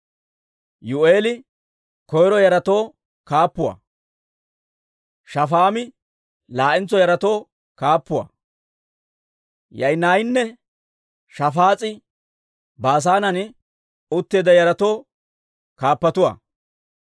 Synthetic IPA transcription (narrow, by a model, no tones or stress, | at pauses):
jʊeːlɪ | kɔjɾɔjɐɾɐt̪o̞ː | kaːpːʊwa̰ː | ʃɐfaːmɪ | laːʔɪnt͡sːɔjɐɾɐt̪o̞ː | kaːpːʊwa̰ː | jɐjnaːjɪnːɛ | ʃɐfaːt͡sʼɪ | baːs̬aːnɐnɪ | ʊt̪ːeːd̪ɐjɐɾɐt̪o̞ː | kaːpːɐt̪ʊwa̰ː